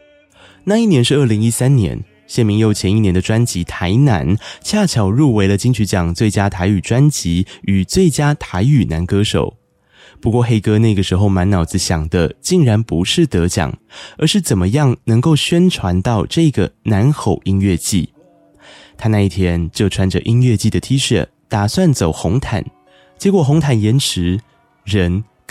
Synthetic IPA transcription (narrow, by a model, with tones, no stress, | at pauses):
na˥˧i˥˩njɛ˧˥nʂɻ̩˥˧ə˥˩li˧˥ŋi˦˥sa˥nnjɛ̰˧˥n | ɕjɛ˥˩nmi˧˥ŋjo˧ʊt͡ɕʰjɛ˧˥ni˥˩njɛ˧nd̪ə˧ʈ͡ʂwa˥nt͡ɕi˧˥t̪ʰa˧˥ɪna̰˧˥nt͡ɕʰja˥˩t͡ɕʰjɑ˨˩ʊɻu˥˩we˧˥ɪlə˧t͡ɕi˥ŋt͡ɕʰy˧˥t͡ɕjɑ˨˩ŋt͡swe˥˩ɪt͡ɕja˥t̪ʰa˧˥ɪy˨˩ʈ͡ʂwa˥nt͡ɕi˧˥y˨˩t͡swe˥˩ɪt͡ɕja˥t̪ʰa˧˥ɪy˨˩na˧˥nkɤ˥ʂo̰˨˩˦ʊ | pu˧˥kwɔ˥˧xe˥ɪkɤ˥na˥˩ɡə˩ʂɻ̩˧˥xo˥˧ʊma˧˥nnɑ˨˩ʊd͡zɹ̩˧˦ɕjɑ˨˩ŋd̪ə˦t͡ɕi˥˩ŋɻa˧˥npu˧˥ʂɻ̩˥˩t̪ɤ˧˥t͡ɕjɑ̰˨˩ŋə˞˧˥ʂɻ̩˥˩t͡sə˨˩nmə˦jɑ˥˩ŋnɤ˧˥ŋko˥˩ʊɕɥɛ˥nʈ͡ʂʰwa˧˥nt̪ɑ˥˧ʊʈ͡ʂɤ˥˩˦ɡə˩na˧˥nxo˨˩ʊi˥ŋɥɛ˥˧t͡ɕi˥˩ | t̪ʰa˥na˥˧i˥˩t̪ʰjɛ˥nt͡ɕjo˥˩ʊʈ͡ʂʰwa˧˥nʈ͡ʂə˨ʔi˥ŋɥɛ˥˧t͡ɕi˥˩d̪ə˩t̪ʰi˥ʂə̰˥˨˩ | t̪a˨˩swa˥˩nt͡so˨˩ʊxʊ˧˥ŋt̪ʰa̰˨˩˦n | t͡ɕjɛ˧˥kwɔ˨˩xʊ˧˥ŋt̪ʰa˨˩njɛ˧˥nʈ͡ʂʰɻ̩˧˥ | ɻə˧˥n